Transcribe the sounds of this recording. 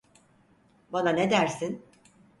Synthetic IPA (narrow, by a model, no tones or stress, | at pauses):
bananed̪æɾsin